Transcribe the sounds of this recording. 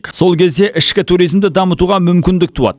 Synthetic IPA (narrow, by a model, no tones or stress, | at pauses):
so̞lˠkʲʰe̞zd̪e̞ʔɪʃkʲɪt̪ʰuɾijzmd̪ɪd̪ɑmət̪uʁɑmʏmkʲɪnd̪ɪk̚t̪ʰuɑ̰d̪